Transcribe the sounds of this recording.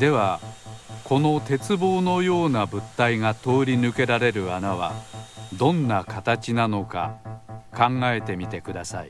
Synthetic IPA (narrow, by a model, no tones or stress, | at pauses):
d̪e̞βa | ko̞no̞t̪e̞t͡sɨbo̞ːno̞jo̞ːnabɯ̟t̪ːaiŋat̪o̞ːɾʲinɯ̟ke̞ɾaɾe̞ɾɯ̟anaβ̞a̰d̪õ̞nːakat̪at͡ɕinano̞ka̰kãŋɡae̞t̪e̞mʲit̪e̞kɯ̟d̪asaḭ